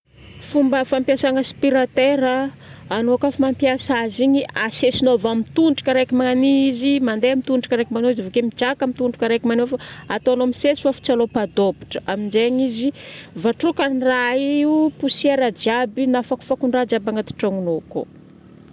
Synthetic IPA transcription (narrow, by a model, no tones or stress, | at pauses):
fumbəfampjasaŋəspiɾat̪eɾəː | noakafamampjasaziɲiasesinovamit̪unʈ͡ʂḁkaɾakimaniizimand̪eamit̪uʈ͡ʂakaɾekimanoizavokemid͡ʒakamit̪unɖ͡ʐukaɾajkimanofaat̪oanoamisesi̥fafu̥t͡salopad̪obi̥ʈ͡ʂə̥ʔaminzeɲizivaʈ͡ʂukaniraiiupusieɾad͡ʒiabinafaku̥fakuɳɖ͡ʐad͡ʒabaŋat̪u̥ʈ͡ʂaŋunoko̰